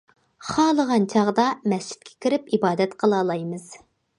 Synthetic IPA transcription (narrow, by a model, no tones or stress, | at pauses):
χɑːlˠəʁɑnt͡ʃʰɑʁd̪ɑmɛst͡ʃʰi̥t̪̚kʲʰe̥kʲʰiɾɪpibɑːd̪ɛt̪qʰəlˠɑːlˠɑjmɨz̥